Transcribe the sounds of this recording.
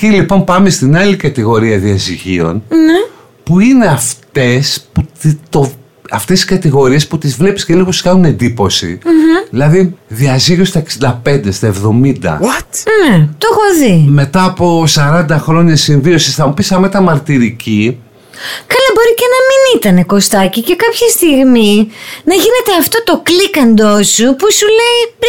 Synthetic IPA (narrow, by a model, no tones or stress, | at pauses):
cilipo̞mpɐme̞st̪inɐlikɐt̪iɣo̞ɾiɐðiɐziʝḭo̞̰nne | puine̞ɐft̪e̞spuit̪o | ɐft̪e̞siskɐt̪iɣo̞ɾie̞sput̪izvle̞pi̥sce̞lioosi̥skɐnune̞nd̪ipo̞sḭðilɐðiðiɐziʝost̪ɐeksind̪ɐpe̞nd̪e̞st̪ɐe̞vðo̞mind̪ɐ̰net̪oxo̞ðime̞t̪ɐːpo̞sɐɾɐnd̪ɐxɾo̞ɲɐsiɱvio̞sisθɐmupisɐmet̪ɐmɐɾt̪iɾici | kɐlɐbo̞ɾicenɐminit̪ɐne̞ko̞st̪ɐcice̞kɐpçɐst̪iɣminɐʝine̞t̪e̞ɐft̪o̞t̪o̞klikɐnd̪o̞supusule̞i